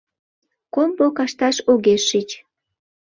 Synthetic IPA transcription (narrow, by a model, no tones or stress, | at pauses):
kombokɑʃt̪ɑʃoɣeʃːit͡ɕ